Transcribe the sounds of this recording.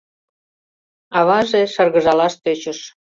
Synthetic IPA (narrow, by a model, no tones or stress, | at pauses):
ɑβɑʒeʃərɣə̆ʒɑlɑʃt̪øt͡ɕəʃ